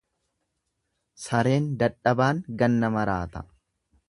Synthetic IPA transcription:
sɐɾe̞ːnd̪ɐᶑɐbaːŋɡɐnːɐmɐɾa̰ːt̪ɐ̥

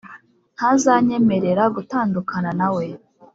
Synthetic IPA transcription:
n̥hazaɲe̞me̞ɾe̞ɾaɡutaːndukananawe̞

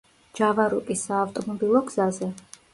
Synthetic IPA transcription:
d͡ʒavaɾukʼisaːft̪ʼɔmɔbilˠɔɡzazɛ

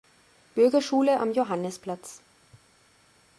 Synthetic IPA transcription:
b̥ʏɐɡɐʃuːləʔa̰mjoɦanəspl̥at͡s

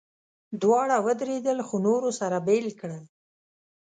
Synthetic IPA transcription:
d̪wɑɽawəd̪ɾed̪əlxonoɾosaɾabelkɽəl

